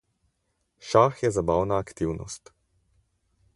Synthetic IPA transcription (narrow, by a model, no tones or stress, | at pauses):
ʃaxjɛzabawnaːkt̪iwnɔ̰st̪